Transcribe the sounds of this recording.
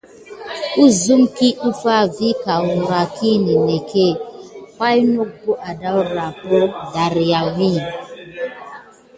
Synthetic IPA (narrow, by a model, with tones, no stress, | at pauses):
u˦zu˦mki˦u˦fa˦vi˦ka˨wu˨ɾa˨ki˦ni˨ne˨ke˦˨ka˦jno˦k̚bo˦ʔa˨da˦u˦ɾa˨po˦da˨ɾi˨ja˨wi˦˨